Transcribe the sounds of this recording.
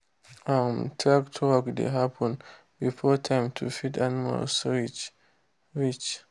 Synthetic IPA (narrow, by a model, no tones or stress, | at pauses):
amtʰɹaktʰwɔkdḛɦapʰɔ̃n | bifɔtʰãjmtʰufitanma̰lsɹit͡ʃ | ɹit͡ʃ